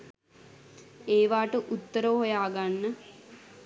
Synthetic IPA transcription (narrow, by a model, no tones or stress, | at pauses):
eːʋaːʈəʔut̪ːəɾəʋɦojaːɡanːə